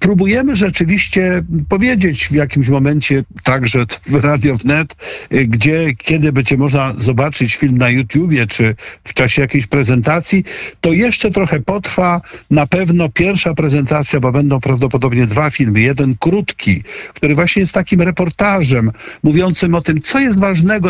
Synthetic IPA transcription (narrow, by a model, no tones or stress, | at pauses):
pɾubujɛmɘʐɛt͡ʂɘvʲiɕt͡ɕɛpɔvʲjed͡ʑet͡ɕvjakʲimɕmɔmɛɲt͡ɕɛt̪aɡʐɛvɾad̪ʲjɔvnɛt̪ɡd͡ʑɛkʲɛd̪ɘbɛd͡ʑɛmɔʐnazɔbat͡ʂɘt͡ɕfʲilmnajut̪ʲjubʲjɛt͡ʂɘft͡ʂaɕɛjakʲejɕpɾɛzɛnt̪at̪sʲjit̪ɔjɛʂt͡ʂɛt̪ɾɔxɛpɔt̪ɾfanapɛvnɔpʲjɛɾfʂapɾɛzɛnt̪at̪sʲjabɔbɛnd̪ɔ̃w̃pɾavd̪ɔpɔd̪ɔbɲɛd̪vafʲilmɘjɛd̪ɛnkɾut̪kʲikt̪uɾɘvwaɕɲɛjɛst̪t̪akʲimɾɛpɔɾt̪aʐɛmːuvʲjɔnt̪sɘmɔt̪ɘmt̪sɔjɛs̬t̪vaʐnɛɡɔ